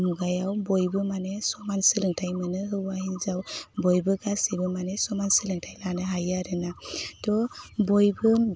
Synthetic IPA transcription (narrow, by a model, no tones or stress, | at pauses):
muɡajawbɔjbɯmanesɔmansɯlɯŋtʰajmɯnɯɦɯwaɦinzawbɔjbɯɡasibɯmanesɔmansɯlɯŋtʰajlanɯɦajaɾɯnatɔbɔjbɯ